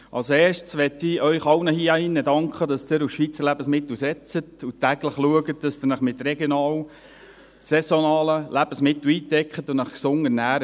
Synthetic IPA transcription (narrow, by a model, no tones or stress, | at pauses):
ʔɑlsɛːʃtsʋɛtːɪœʏχɑwnəhiːɑɪnːədɑŋkχədɑsd̥ɪɾusʃʋiːt͡səlæbəsmɪt̪l̩sɛt͡sətutæːɡləχluəɡət̚dɑsd̪ɪɾnəχmɪt̪rɛɡjonɑːl | sɛsonɑːləlʔæb̥əsmɪt̪l̩iːtɛkχətʊnəχksʊŋənæːɾə